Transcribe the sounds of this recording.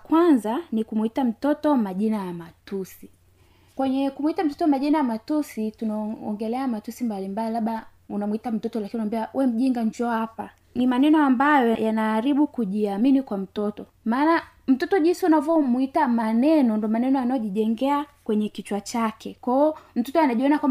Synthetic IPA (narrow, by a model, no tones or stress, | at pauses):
kwanzanikumuitam̩tɔtɔmaʄinajamatusi | kwɛɲɛkumwitam̩tɔtɔmaʄinajamatusitunaɔ̰ŋɡɛlɛamatusimbalimbalilaɓa | unamuitam̩tɔtɔlakinunambiaʔuwɛm̩ʄiŋɡaɲd͡ʒɔhapa | nimanɛnɔambajɔjajanaːɾiɓukuʄiaminikwam̩tɔtɔ | maːna | m̩tɔtɔʄinsiunavɔmuitamanɛnɔndɔmanɛnɔjanajɔʄiʄɛŋɡɛakwɛɲɛkit͡ʃwat͡ʃakɛkwaɔm̩tɔtɔanaʄiɔnakwam